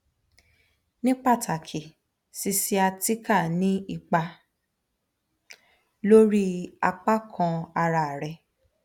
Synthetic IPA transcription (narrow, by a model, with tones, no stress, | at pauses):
nĩ˦k͡pa˦˨tʰa˨kʰi˨ | si˧si˧a˧ti˦ka˦˨nĩ˨˦i˧k͡pa˧ | lo˦ɾi˦a˧k͡pa˦kʰã˧a˧ɾa˧˨ɾɛ˧